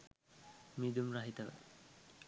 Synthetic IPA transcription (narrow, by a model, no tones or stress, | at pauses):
mid̪umrɐɦit̪əʋə̰